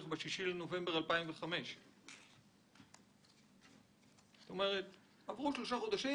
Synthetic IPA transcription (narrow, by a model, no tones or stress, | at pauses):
χbeʃiʃileno̞ve̞mbeʁalpaimveχame̞ʃ | zot̪o̞me̞ʁet̪ | avʁuʃlo̞ʃaχo̞d̪aʃi